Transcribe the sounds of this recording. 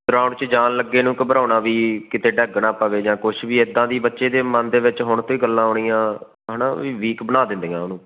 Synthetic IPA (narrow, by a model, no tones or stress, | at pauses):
d̪ʊɾaːɳt͡ʃəd͡ʒaːnləɡːeːnũːkəbəɾaːnaːʋiːkɪt̪eːɖɛːɡnãːpəʋeːd͡ʒãːkʊʃʰʋiːɪd̪ːãːd̪iːbətːʃeːd̪eːmənd̪eːʋɪt͡ʃɦʊɳt̪õːiːɡəlːãːɦoːɳijãː | ɦəːnaːʋiːʋiːkbənaːd̪ɪ̃nd̪eːãːʊnũː